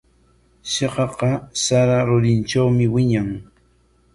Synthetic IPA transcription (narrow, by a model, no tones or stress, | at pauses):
seqɑqɑsaɾaɾʊɾɪnt͡ʃawmɪwɪɲaŋ